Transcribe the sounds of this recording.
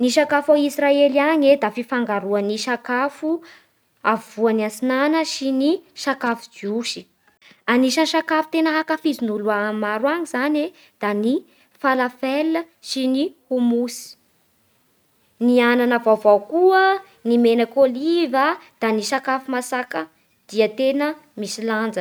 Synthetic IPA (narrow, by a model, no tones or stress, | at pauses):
niʃakafaisraeliaɲed̪afifaŋɡaɾuəniʃakafu | auanant͡sinanəʃiniʃakafud͡ʒiuʃi̥ | aniʃaniʃakafu̥t̪enəɦakafizinuluamaɾwaɲizane | d̪̥ani | falafelə | ʃinihumusi̥ | niananavavawkuə | nimenakolivəd̪̥aniʃakafumasakə | d̪̥iət̪enə | misiland͡zə